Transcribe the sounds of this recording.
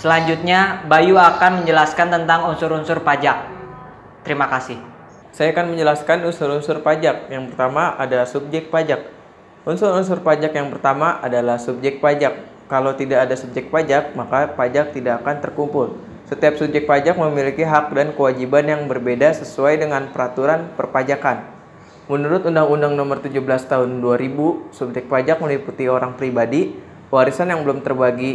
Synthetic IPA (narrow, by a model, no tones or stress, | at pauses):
səlaɲd͡ʒut̪̚ɲabajuakanməɲd͡ʒəlaskant̪ənt̪aŋunsʊɾunsʊrpad͡ʒak̚ | t̪əɾimakasɪh | sajakanməɲd͡ʒəlaskanunsʊɾunsʊrpad͡ʒak̚jaŋpərt̪amaʔadasub̚d͡ʒɛk̚t̪̚pad͡ʒak̚ | ʔunsʊɾunsʊrpad͡ʒakjaŋpərt̪amaʔadalahsub̚d͡ʒɛk̪̚pad͡ʒakː | alot̪idaːdasub̚d͡ʒɛk̚pad͡ʒak̚makapad͡ʒak̚t̪idaːkant̪ərkumpʊl | sət̪iap̚sup̚d͡ʒɛk̚pad͡ʒak̚məmilikiɦak̚dankəwad͡ʒibanjaŋbərbedasəsuajdəŋanpəɾat̪uɾanpərpad͡ʒakan | mənuɾʊt̪undaŋundaŋnomərt̪ud͡ʒubəlast̪aɦʊnduaɾibusub̚d͡ʒɛk̪̚pad͡ʒak̚məliput̪ioɾaŋpɾibadi | waɾisanjaŋbəlʊmt̪ərbaɡi